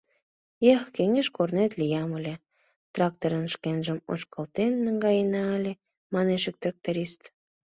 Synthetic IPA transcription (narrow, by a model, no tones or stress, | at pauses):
jɑxkeŋeʃkornet̪lijɑməlʲe | t̪rɑk̚t̪oɾənʃkenʒəmo̰ʃkəlt̪enːəŋɡɑjənɑːlʲe | mɑneʃek̚t̪rɑk̚t̪oɾʲist̪